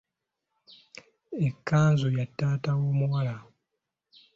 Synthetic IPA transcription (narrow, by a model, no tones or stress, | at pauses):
ekʰːaːnzojatːaːtawoːmuwala